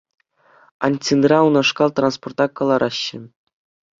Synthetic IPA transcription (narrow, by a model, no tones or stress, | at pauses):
ɑ̰nʲtʲinrɑunɑʂkɑlˠt̪ransport̪ɑkːɑlˠɑɾʔɑɕːɘ̆